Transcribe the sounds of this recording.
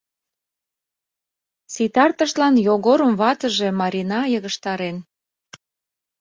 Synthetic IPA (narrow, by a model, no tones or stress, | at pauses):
sit̪ɑrt̪əʃlɑnjoɣoɾəmβɑt̪ə̆ʒe̽mɑɾʲinɑjəɣəʃt̪ɑɾen